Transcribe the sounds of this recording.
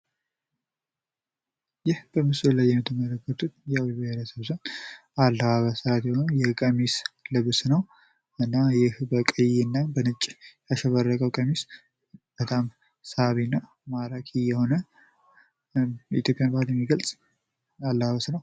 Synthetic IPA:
jɪhb̥əmɨsullajːɛmɛt̪ʰəmələkːət̪ut̪jɛawibajeɾəsəβzənalːəβaβəsəɾat̪jɛhonəwjɛkʼəmislɨβsnəw | ɨnːajɪhbəkʼəjɨnːabənɨt͡ʃʼːjaʃɛβərːəkʼəwkʼəmis | b̥ət̪ʰʼam | səaβinːa | maɾakʼɪjɛho̞nə | ḭt̪ʰjo̞pʼːjanbəhaljɛmːiɡəlsʼ | alːəβaβəsnəw

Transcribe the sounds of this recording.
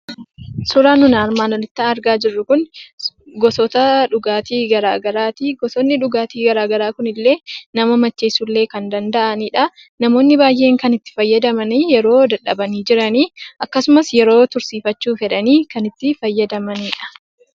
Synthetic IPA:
sʊɾaːnʊnaːɾmaːnɔlɪt̪ːɐɐɾɡaːd͡ʒɪrːʊkʊn | ɡɔsɔt̪ɐᶑʊɡaːt̪iːɡɐɾa̰ːɡɐɾaːt̪iːɡɔsɔnːɪᶑʊɡaːt̪iːɡɐɾaːɡɐɾaːkʊnɪlːe̞ːnɐmɐmɐt͡ʃːeːsulːe̞ːkɐnd̪ɐnd̪ɐʔɐniːᶑɐ | nɐmo̞ːnːɪbaːjʔe̞ːŋkɐnɪt̪ːɪ̥fɐjːɐd̪ɐmɐniːjɛɾo̞ːd̪ɐᶑɐbɐniːd͡ʒɪɾɐniːʔɐkːɐsʊmɐsjɛɾo̞ːt̪ʊɾsiːfɐt͡ʃːuːfɛᶑɐniːkɐnɪt̪ːɪfɐjːɐd̪ɐmɐniːᶑɐ̥

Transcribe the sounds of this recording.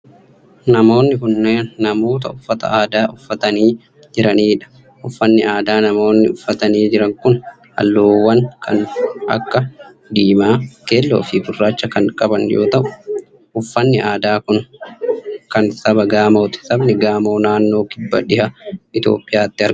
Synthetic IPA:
nɐmo̞ːnːɪhʊnːeːnːɐmo̞ːt̪̬ɐʊfːɐt̪ɐ̰aːd̪aːʔʊfːɐt̪ɐniː | d͡ʒɪɾɐniːᶑɐ̥ | ʔʊfːɐnːɪʔaːd̪aːnɐmo̞ːnːɪʊfːɐt̪ɐniːd͡ʒɪɾɐŋkʊn | hɐ̰lːoːwːɐnkʰɐ̰nɐ̰kːɐ | d̪iːmaːkeːlːo̰ːfɪbʊrːaːt͡ʃːɐkɐŋkʼɐbɐnjoːt̪ɐʔʊ̥ | ʔʊfːɐnːɪʔaːd̪aːkʊn | kɐnsɐbɐɡaːmoːt̪ɪ̥sɐbnɛɡaːmo̞ːnaːnːo̞ːkɪbːɐ̰ᶑɪhɐɪt̪o̞̰ːpʼːɪjaːt̪ːɪɐɾ

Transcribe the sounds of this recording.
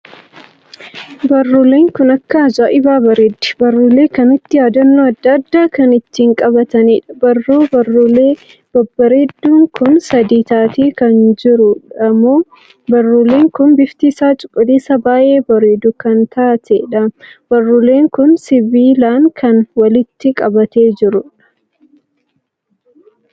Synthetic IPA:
bɐrːuːleːŋkʊnɐkːɐzaːʔɪbaːbɐɾed̪ːɪ̥bɐrːʊle̞ːkɐmɪt̪ːɪjaːd̪ɐnːoːɐd̪ːɐd̪ːaːkɐnɪt̪ːiːŋkʼɐbɐt̪ɐniːᶑɐ̥bɐrːoːbɐrːʊleː | b̥ɐbːɐɾed̪ːuːŋkʊnsɐd̪iːt̪aːt̪iːkɐnd͡ʒɪɾʊᶑɐmoː | bɐrːule̞ːŋkʊnbɪft̪iːsaːt͡ʃʼʊ̥kʼːɪliːsɐbaːʔe̞ːbɐɾed̪ʊkɐnt̪aːt̪ɛᶑɐb̥ɐrːʊle̞ːŋkʊnsɪbiːlaːŋkʰɐnwɐlɪt̪ːɪkʼɐbɐt̪e̞ːd͡ʒɪɾʊᶑɐ̥

